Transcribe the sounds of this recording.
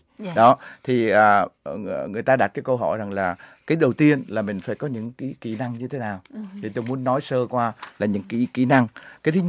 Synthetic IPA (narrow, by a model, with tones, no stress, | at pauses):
ɗɔ˨˦t̪ʰi˨˩ʔəː˨˩ | ŋɨ˨˩əjt̪aː˧ɗa˨˩t̚kaː˨˦jkə˧wɦɔ̰˧˩jza˨˩ŋlaː˨˩kaː˨˦jɗə˨˩wt̪i˧ənlaː˨˩mï˨˩ŋ̟fa̰ː˧˩jkɔ˨˦ɲɨ̰˧˥ŋki˨˧˥kḭ˧˩na˧ŋɲɨ˧t̪ʰe˨˦naː˨˩wt̪ʰi˨˩t̪o˧jmu˨˦ənːɔ˨˦jsəː˧kwaː˧laː˨˩ɲɨ̰˧˥ŋkḭ˧˩kḭ˧˩na˧ŋkaː˨˦jt̪ʰɨ˨˦